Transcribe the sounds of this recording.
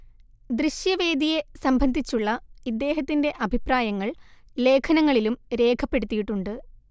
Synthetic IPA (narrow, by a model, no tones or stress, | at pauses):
d̪ɾiɕjɐʋe̞ːd̪ije̞sɐmbʱɐnd̪ʱit͡ɕːuɭːɐid̪ːe̞ːɦɐt̪ːinde̞ʔɐbʱipraːjɐŋːɐɭle̞ːkʰɐnɐŋːɐɭilumɾe̞ːkʰɐpːe̞ɽut̪ːijiʈːuɳɖɨ